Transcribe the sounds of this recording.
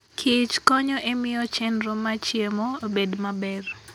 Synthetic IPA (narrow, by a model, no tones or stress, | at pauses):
kʰɪt͡ʃkɔɲɔʔemɪjɔt͡ʃɛnɾomat͡ʃjemɔobedmabɛr